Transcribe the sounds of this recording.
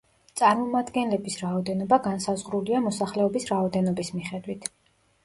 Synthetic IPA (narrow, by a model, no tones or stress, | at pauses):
t̪sʼaɾmɔmad̪ɡɛnlɛbisɾaɔd̪ɛnɔbaɡansazʁɾuliamɔsaχlɛɔbisɾaɔd̪ɛnɔbismiχɛd̪wit̪ʰ